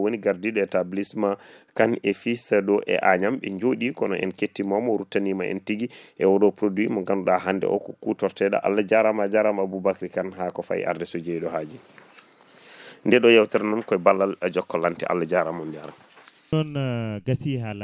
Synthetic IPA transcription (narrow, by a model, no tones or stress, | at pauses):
woniɡaɾdiɗɔɛtablismakanefisɛɗɔʔɛ̰ʔaɲamɓɛɲd͡ʒoɗikɔnɔʔɛ̰nketːimamɔɾutanimaʔɛ̰ntiɡiʔɛwɔɗɔpɾodwimɔŋɡanɗaɦandɛ̰ʔɔ̰kɔkutɔɾtɛɗa̰ʔa̰lːad͡ʒaɾamad͡ʒaɾamabubakɾikanɦakɔfa̰ḭʔa̰ɾdɛsod͡ʒeɗɔɦad͡ʒi | ndɛɗɔjawtɛɾnɔnkɔɛbalːalɛd͡ʒɔkːɔlantiʔa̰lːad͡ʒaɾamɔnd͡ʒaɾa | ɔnɡasihala